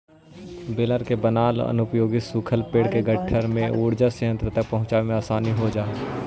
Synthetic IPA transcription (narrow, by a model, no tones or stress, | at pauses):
bɪləɾkebənaːlə̰nʊpjoːɡɪsukʰəlpeːɽkeɡəʈʰːəɾmẽʔuːɽd͡ʒaseə̃nt̪ɾət̪ɐk̚pɐɦʊ̃t͡ʃaːemẽaːsaːniɦod͡ʒaːe